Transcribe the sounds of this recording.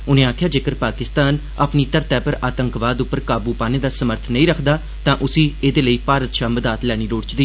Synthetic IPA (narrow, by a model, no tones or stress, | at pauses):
ʊnẽːaːkʰjaːd͡ʒeːkəɾpaːkɪst̪aːn | a̰pniːt̪əɾt̪ɛːpəɾaːt̪əŋkʋaːd̪ʊpːəɾkaːbuːpaːneːd̪aːsəməɾt̪ʰnəĩːɾəkʰd̪aː | t̪ãːʔʊsĩːeːd̪eːləiːpaːɾət̪ʃaːməd̪aːt̪lɛːɽ̃iːɾoːɽt͡ʃd̪iː